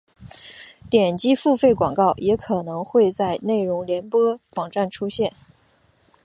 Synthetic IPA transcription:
t̪jɛ˨˩nt͡ɕi˥fu˥˧fe˥˩ɪkwɑ˨˩ŋkɑ˥˩ʊjɛ˧˥kʰɤ˨˩nɤ˧˥ŋxwe˥˧ɪt͡sa˥˧ɪne˥˩ɪɻʊ˧˥ŋljɛ˧˥npwɤ˥wɑ˨˩ŋʈ͡ʂa˥˩nʈ͡ʂʰu˥ɕjɛ˥˩n

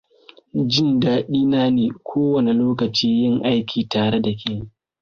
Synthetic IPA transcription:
d͡ʒɪ˦ndaː˦ɗiː˦naː˦neː˨kʷʰoː˦wɐ˨ne˨loː˦kɐ˨t͡ʃiː˦jɪ˦ŋʔa˦jkʲʰiː˨taː˨ɽe˦da˨kʲeː˦ni˦

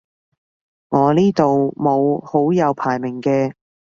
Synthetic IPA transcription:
ŋɔː˨˧niː˥t̪o˨wmo˨˧who˨˥wjɐ˨˧wpʰaː˨˩jmɪ˨˩ŋkɛː˧

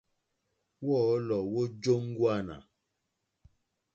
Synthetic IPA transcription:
wɔ˦˨˦lɔ˨wo˦d͡ʒo˦ŋ˦ɡwa˦˨na̰˨

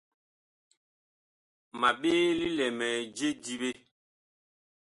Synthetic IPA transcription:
ma˨ɓeː˦li˦lɛ˨mɛ˨d͡ʒe˦di˦ɓe˦

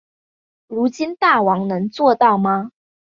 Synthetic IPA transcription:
ɻu˧˥t͡ɕi˥nt̪a˥˨˩wɑ˧˥ŋnɤ˧˦ŋt͡swɔ˥˧t̪ɑ˥˨ʊma˧

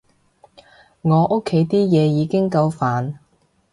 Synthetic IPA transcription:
ŋɔː˨˧ʔo˥kʰːe˨˥jt̪iː˥jɛː˨˧jiː˨˧kɪ˥ŋkɐ˧wfaː˨n

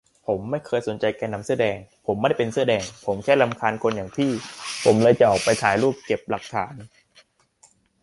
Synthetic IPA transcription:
pʰo˩˦mːa˥˩jkʰɤː˧jso˨˩˦nt͡ɕa˧jkɛː˧na˧msɯ˥˩ədɛː˧ŋpʰo˩˦mːa˥˩jpe˧nsɯ˥˩dɛː˧ŋpʰo˩˦mkʰɛː˥˩la˧mkʰaː˧nkʰo˧njaː˨˩ŋpʰiː˥˩pʰo˩˦mlɤː˧jt͡ɕa˨˩ʔɔː˨˩k̚pa˧jt͡ɕʰaː˩˦jɾuː˥˩p̚ke˨˩p̚la˨˩k̚t̪ʰa̰ː˩˦n

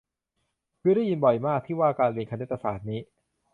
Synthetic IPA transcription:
pʰɯ˥˩˨ɾa˥˩ji˧nbɔ˨˩jmaː˥˩k̚t̪ʰiː˥˩waː˥˩kaː˧nli˧nka˧nːe˦˥t̪ːa˧saː˩˦t̪̚niː˦˥

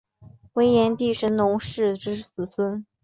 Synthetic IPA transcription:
we˥ɪjɛ˧˥nt̪i˥˩ʂə˧˥nnʊ˧˥ŋʂɻ̩˥˩ʈ͡ʂɻ̩˧˥sɹ̩˨˩sʰwə˥n

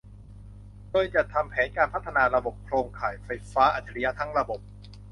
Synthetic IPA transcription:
doː˧jt͡ɕa˨˩t̪ʰa˧mpʰɛː˩˦nkaː˧npʰa˦˥t̪ʰːa˧naː˧ɾa˧bo˨˩p̚kʰɾoː˧ŋkʰaː˨˩jfa˧jfaː˦˥ʔa˨˩t͡ɕʰːa˧ɾi˧ja˦˥t̪ʰa˦˥ŋɾa˧bo˨˩p̚

